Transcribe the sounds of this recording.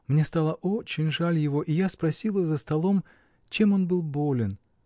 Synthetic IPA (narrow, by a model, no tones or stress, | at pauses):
mnʲe̞st̪alˠəʔo̞t͡ɕɪnʲʐalʲjɪvo̞ʔijaspɾɐsʲilˠəzəst̪ɐlˠo̞m | t͡ɕe̞mo̞nbɨlˠbolʲɪn